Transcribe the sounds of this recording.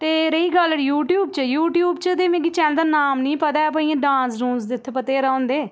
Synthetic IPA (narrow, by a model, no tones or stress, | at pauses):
t̪eːɾəiːɡələɽjuːʈjuːb̚t͡ʃəjuːʈjuːb̚t͡ʃəd̪eːmẽːɡit͡ʃɛ̃ːnd̪aːnaːmnĩːpət̪aːɛp̬əiãːɖãːsɾũːnsd̪ɪt̪ʰpət̪eːɾaõːnd̪eː